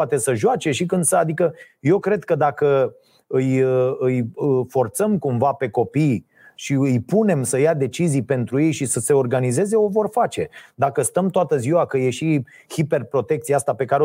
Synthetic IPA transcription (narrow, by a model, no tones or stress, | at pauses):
at̪e̞səʒoat͡ʃe̞ʃikɨnd̪səad̪ikə | je̞wkɾe̞d̪kəd̪akə | ɨjɨjfo̞rt̪səmkumvape̞ko̞pij | ʃiɨjpune̞msəjad̪e̞t͡ʃizijpe̞nt̪ɾuje̞jʃisəse̞o̞rɡanize̞ze̞o̞vo̞rfat͡ʃe̞d̪akəst̪əmt̪oat̪əziwakəje̞ʃi | hipe̞rpɾo̞t̪e̞kt̪siaast̪ape̞kaɾe